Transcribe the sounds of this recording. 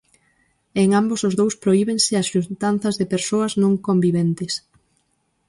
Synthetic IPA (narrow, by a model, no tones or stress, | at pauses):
eŋambosʊzðowspɾoiβeŋsɪɐsʃunt̪anθɐzðɪpeɾsoɐznõŋkombiβɛnt̪ɪs